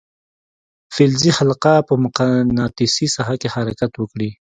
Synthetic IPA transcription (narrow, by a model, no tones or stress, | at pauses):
fɪlzihalqapəmʊqanɑt̪isisaɦakehaɾakat̪wəkɽi